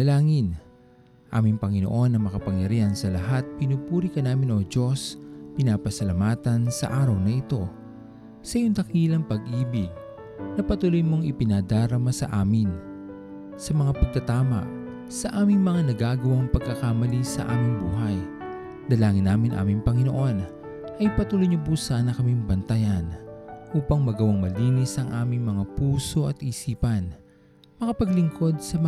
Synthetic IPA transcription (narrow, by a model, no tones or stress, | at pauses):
ɐlaːŋɪn | ʔa̰ːmɪŋpɐŋɪno̞ʔo̞nːɐŋmɐkɐpɐŋjɐɾiːhɐnsɐlɐɦat̪̚pɪnuːpuːɾikɐnaːmɪno̞d͡ʒo̞spɪnaːpɐsɐlɐmaːt̪ɐnsɐ̰ʔaːɾɐwnɐʔɪt̪o̞ | sɐjoŋt̪ɐkiːlɐŋpɐɡʔiːbɪɡ | nɐpɐt̪ʊlojmo̞ŋɪpɪnad̪aːɾɐmasɐ̰ʔaːmɪn | sɐmɐŋapɐɡ̚t̪ɐt̪aːmɐ̰ʔ | sɐʔaːmɪŋmɐŋanɐɡaːɡɐwaŋpɐɡ̚kɐkamɐlisɐ̰ʔaːmɪŋbuːɦɐj | d̪̥ɐlaːŋɪnːaːmɪnʔa̰ːmɪŋpɐŋɪno̰ʔo̞n | ʔɐjpɐt̪ulojɲopusaːnɐkɐmimbɐnt̪ɐjɐnʔuːpɐŋmɐɡɐwaŋmɐliːnɪsʔɐŋʔaːmɪŋmɐŋapuːso̞ʔɐt̪ʔisiːpɐn | mɐŋapɐɡlɪŋko̞d̪̚sɐmɐ